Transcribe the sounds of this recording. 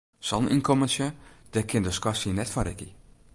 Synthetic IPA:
sɔlnʔḭnkʰomənsjəd̥ɛkʰɪndəskwasinɛtfɔnɾɪ̰ki

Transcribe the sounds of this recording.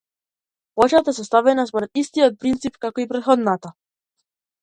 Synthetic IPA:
pɔt͡ʃat̪aɛs̬ɔst̪avɛnaspɔɾɛt̪ist̪ijɔt̪̚pɾint̪sipkakɔipɾɛt̪xɔd̪nat̪a

